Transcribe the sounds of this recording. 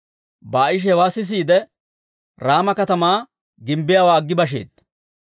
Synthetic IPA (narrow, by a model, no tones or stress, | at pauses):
bɐɪʃ̬ɛɛwaːsɪs̬iːd̪ɛ | ɾaːmɐkɐt̪ɐmaː | ɡɪmbɪjaːwaːɡːɪbɐʃ̬ḛːd̪̚